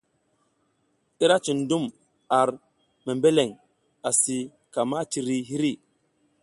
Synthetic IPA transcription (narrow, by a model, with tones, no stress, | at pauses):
i˦ɾa˦t͡ʃi˨ndu˦m | a˨ɾ | me˨mbe˦le˨ŋ | a˨si˨ | ka˨ma˦t͡ʃi˨ɾi˦ɦi˦ɾi˦˨